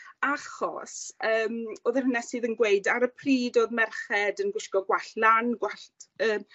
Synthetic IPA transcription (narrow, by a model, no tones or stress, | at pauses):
aχɔ̰səːmoːðɛhʊnasɨːðənɡweɨdaɾəpʰriːdoːðmɛrχɛdənɡwɪskɔɡwaɬlanɡwaɬtəːm